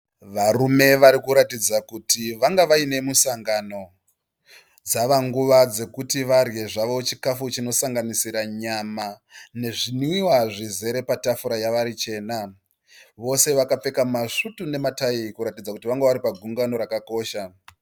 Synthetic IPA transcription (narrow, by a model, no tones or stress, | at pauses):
ʋarume̞ʋaɾikuɾatid͡zakutiʋaŋɡaʋaine̞musaŋɡano̞ | d͡zaʋaŋɡuʋad͡ze̞kutiʋarje̞ʐaʋo̞t͡ʃikafut͡ʃino̞saŋɡanisiɾaɲamane̞ʐiniiwaʐize̞ɾe̞patafuɾajaʋaɾit͡ʃe̞ːna | ʋo̞se̞ʋakap͡fe̞kamaʂutune̞mataikuɾatid͡zakutiʋaŋɡaʋaɾipaɡʱuŋɡano̞ɾakako̞ːʃa